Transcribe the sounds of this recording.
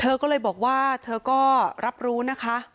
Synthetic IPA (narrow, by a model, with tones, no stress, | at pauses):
t̪ʰɤː˧kɔː˥˩lɤː˧jbɔː˨˩k̚waː˥˩t̪ʰɤː˧kɔː˥˩ɾa˦˥p̚ɾuː˦˥na˦˥kʰa˦˥ʔ